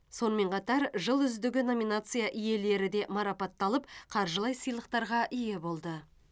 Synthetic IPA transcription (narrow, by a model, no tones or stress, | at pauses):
so̞nəme̞ɴqɑt̪ɑɾʒəlˠʏzd̪ɪɡʲɪno̞mʲinat̪sɨjaʔʏje̞le̞ɾɪd̪e̞mɑɾɑpɑt̪ːɑlˠəp̚qʰɑɾʒəlˠɑjsəjlˠəq̚t̪ɑɾʁɑʔʏje̞bo̞lˠd̪ə